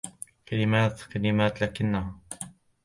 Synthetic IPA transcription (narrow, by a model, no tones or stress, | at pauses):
kalɪmaːt̪kalɪmaːt̪laːkɪnːaɦa